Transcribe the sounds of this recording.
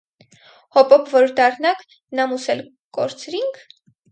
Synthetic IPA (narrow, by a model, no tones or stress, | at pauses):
hɔpɔpʰvɔɾd̪ɑrnɑk | nɑmusɛl | kɔ̰ɾt͡sɾiŋkʰ